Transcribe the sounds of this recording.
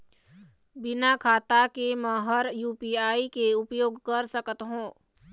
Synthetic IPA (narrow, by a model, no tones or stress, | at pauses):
bɪnakʰaːt̪akeməɦəɾjuːpiːaːikeʊpjoːɡkəɾsəkət̪ɦũː